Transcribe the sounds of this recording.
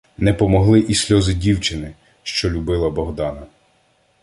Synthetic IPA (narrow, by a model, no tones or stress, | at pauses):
nɛpɔmɔɦlˠɪʔisʲlʲɔzɪdʲiwt͡ʃɪnɪ | ʃt͡ʃɔlʲubɪlˠɐbɔɦd̪ɑnɐ